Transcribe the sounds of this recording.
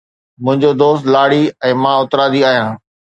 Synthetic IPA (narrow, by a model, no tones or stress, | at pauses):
mʊ̃ɦɪ̃ɲd͡ʑod̪oːst̪laːɽiɛ̃ːmãːʊt̪ɾaːd̪iaːɦjãː